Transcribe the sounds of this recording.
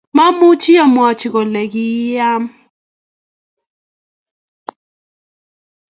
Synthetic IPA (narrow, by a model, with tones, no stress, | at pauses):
ma˦mʊ˦t͡ʃi˦a˨mwa˨t͡ʃi˨ɣɔ˨lɛ˨ki˦a˦m